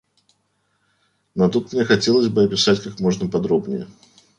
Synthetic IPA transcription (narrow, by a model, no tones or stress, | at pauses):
not̪ut̪mnʲexɐtʲe̞lˠəzʲbɨɐpʲɪsatʲkakmo̞ʐnəpɐd̪ɾobnʲɪjə̰